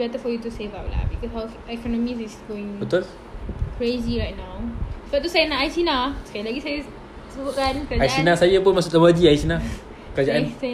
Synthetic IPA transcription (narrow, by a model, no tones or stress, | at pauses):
bɛt̪əfɔjut̪useva̰wla̰bikɔsɦaw | ɛkɔnɔmisisɡoɪ̃ŋbət̪ʊl | kʰɹeziɹajt̚nawsbɔʔt̪ːusajənaʔajsinaskajalaɡisajə | səbuʔkankəaajsinasajəpənmasut̪əməd͡ʒiajsina | kəɾad͡ʒaʔansɛ